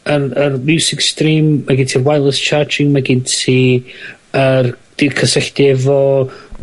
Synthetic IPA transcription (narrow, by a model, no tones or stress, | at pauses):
ərərmjuwsɪkstriːmːaɡɪntʰirwajlˠəst͡ʃʰard͡ʒɪŋmaɡɪntʰi | ərd̥ikʰəsəɬdiɛvɔ